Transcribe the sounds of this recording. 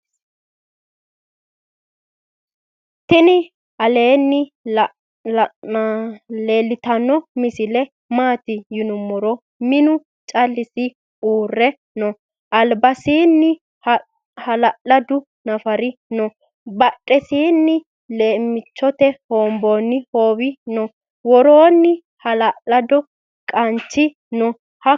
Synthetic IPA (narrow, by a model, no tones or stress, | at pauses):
t̪ɪnɪ | ɐleːnːɪ | le̞ːlːɪt̪ɐnːɔmɪsɪlɛ | maːt̪ɪjʊnʊmːɔɾɔ | mɪnʊ | t͡ʃʼɐlːɪsɪ | uːrːɛ | nɔ | ʔɐlbɐsiːnːɪ | h | hɐlɐʔɐd̪ʊ | nɐfɐɾɪnɔ | bɐtʼːɛsiːnːɪ | le̞ːmːɪt͡ʃːɔt̪ɛhoːmboːnːɪhoːwɪnɔ | wɔɾoːnːɪ | hɐlɐlɐd̪ɔ | kʼɐnt͡ʃːɪ | nɔ | hɐ